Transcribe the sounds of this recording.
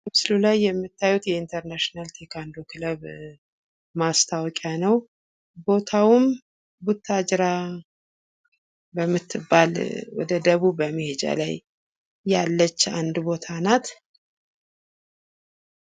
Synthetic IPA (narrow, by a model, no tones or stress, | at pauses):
kɨβsɨlulajːɛmːɨt̪ːajut̪jɛint̪ʰəɾnaʃinalt̪ʰekʰand̪okʰɨləβ | mast̪ʰawkʼjanəw | bo̞t̪ʰawʊm | but̪ʰːad͡ʒɾa | bəmːɨt̪ʰːɨbːalwɔ̰d̪əd̪əβuːəməhed͡ʒa̰la̰jː | alːət͡ʃːand̪bo̞t̪ʰanat̪